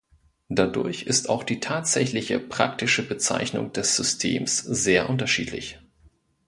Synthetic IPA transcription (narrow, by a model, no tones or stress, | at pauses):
d̥adʊɐçɪstaʊxd̥iːtʰaːtz̥ɛçlɪçəpʁ̥a̰k̚tɪʃəbət͡sa̰ɪçnʊ̰ŋd̥ɛsz̥ʏstʰḛːmsz̥eːɐʔʊntɐʃḭːtʰlɪ̰ç